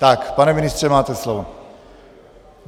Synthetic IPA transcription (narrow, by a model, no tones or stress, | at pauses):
t̪akpanɛmɪnɪst̪r̥ɛmaːt̪ɛslovo